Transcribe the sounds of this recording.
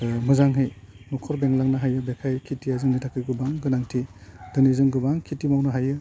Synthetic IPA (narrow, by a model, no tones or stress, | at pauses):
mɯzaŋɦej | nɔkʰɔɾbeŋlaŋnaɦajɯbekʰajkʰitiazɯŋnitʰakɯjɡɯbaŋɡɯnaŋtʰidɯnizɯŋɡɯbaŋkʰitimawnɯɦajɯ